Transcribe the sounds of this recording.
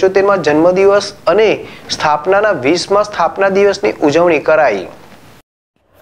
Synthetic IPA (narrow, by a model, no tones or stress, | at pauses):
t͡ʃot̪eɾmãd͡ʒənməd̪iʋəsənest̪ʰapnanaʋismãst̪ʰapnad̪iʋəsniʔud͡ʒəʋɳ̃ikəɾaji